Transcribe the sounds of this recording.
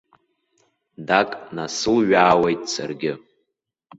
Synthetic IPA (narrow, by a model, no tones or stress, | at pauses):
dakʼnasɨlɥaːwe̞jtʼsa̰rɡʲɪ